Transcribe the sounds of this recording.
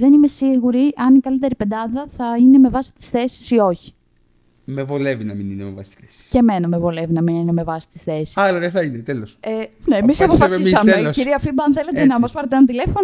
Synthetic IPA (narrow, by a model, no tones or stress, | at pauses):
ðe̞nime̞siɣuɾiɐnikɐlit̪̬e̞ɾipe̞d̪ɐðɐθɐine̞me̞vɐsi̥t̪i̥sθe̞si̥sio̞çi̥ | me̞vo̞le̞vinɐmininemevɐ̰si̥t̪i̥sθei̥ceme̞nɐmevo̞le̞vinɐminineme̞vɐsi̥t̪i̥sθe̞sisalɐðeθɐinet̪eloseneːmisɐpofɐisɐmeelosciɾiɐfibɐɐnθelet̪enɐmɐspɐɾɐt̪enɐt̪ile̞fon